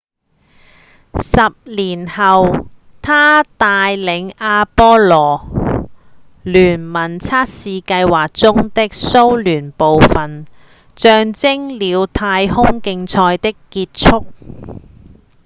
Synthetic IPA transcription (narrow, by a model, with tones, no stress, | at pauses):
sɐ˨p̚liː˨˩nhɐ˨wt̪ʰaː˥t̪aː˧jlɪ˨˧˥ŋaː˧pɔː˥lɔː˨˩ | lyː˨˩nmɐ˨˩nt͡sʰaː˥t̚siː˨˧kɐ˧jwaː˨k̚t͡sʊ˥ŋt̪ɪ˥k̚so˥wlyː˨˩npo˨wfɐ˨˩n | t͡ʃœː˧ŋt͡sɪ˥ŋliː˨˧wt̪ʰaː˧jhʊ˥ŋkɪ˧ŋt͡sʰɔː˧jt̪ɪ˥kːiː˧t̚t͡ʃʰʊ˥k̚